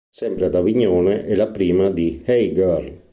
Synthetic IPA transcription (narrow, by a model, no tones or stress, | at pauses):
sɛmpɾead̪aviɲoːneʔɛlapɾiːmad̪ihɛjɡœɾl